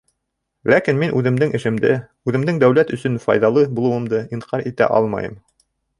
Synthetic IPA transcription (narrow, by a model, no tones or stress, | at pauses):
lækinminʔʉðɘ̆md̪ɘŋɘ̆ʃɘ̆md̪ɘ | ʉðɘ̆md̪ɘŋd̪æwlæt̪ɵ̆sɵnfɑ̰jðɑlˠɤbulˠɤ̆wɤ̆md̪ɤʔiɴqʰɑɾit̪æ̰ʔɑ̰lˠmɑ̰jɤ̰m